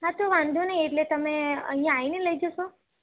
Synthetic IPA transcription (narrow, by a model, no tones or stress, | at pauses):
ɦãt̪oʋãnd̪ʱonəieʈlet̪əmeə̰ɦijãːineləid͡ʒoʃo